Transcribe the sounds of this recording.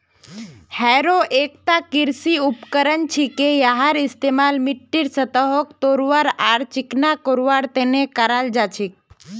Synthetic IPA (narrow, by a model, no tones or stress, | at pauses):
hɛːɾoʔeːk̚t̪akiɾsiupkəɾənt͡ʃʰikejaɦaɾɪst̪emaːlmɪʈːiɾsət̪əɦokt̪oːɾʋaɾaːɾt͡ʃiknakoɾʋaːɾt̪enekəɾald͡ʒat͡ʃʰik̚